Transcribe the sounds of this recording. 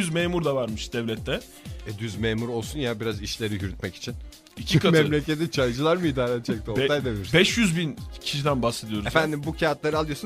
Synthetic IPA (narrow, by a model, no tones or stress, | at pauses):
yzmeːmuɾd̪avaɾmɯʃd̪̥ɛvlʲɛt̪ʰːɛ | ɛd̪yzmeːmuɾo̞lˠsunjabiɾaziʃlʲe̞ɾijyɾyt̪mɛci̥t͡ʃʰin | icʰikamɛlʲecʰet̪it͡ʃʰajd͡ʒɯlˠaɾmɯiːd̪aːɾɛt̪t͡ʃʰɛkt̪ɛoajd̪abiiɾsbɛʃjyzbincʰi̥ʃid̪ænbase̞d̪ijo̞ɾzefænd̪imbucʰaat̪lˠaɾɯalˠɯjosu